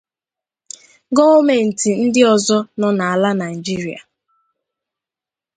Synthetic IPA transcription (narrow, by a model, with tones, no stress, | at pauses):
ɡɔ˦o˦me˨n̩˨ti˨n̩˦dɪ˦ɔ˨zɔ˦nɔ˨na˨a˨la˦na˨i˨d͡ʒi˦ɾi˨a̰˨